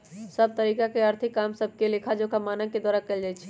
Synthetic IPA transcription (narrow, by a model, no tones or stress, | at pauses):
səb̚t̪əɾiːkakeəɾt̪ʰɪkːaːmsəb̚ʱkelekʰad͡ʒokamaːnə̃ked̪waːɾakəld͡ʒaːjt͡ʃʰɛ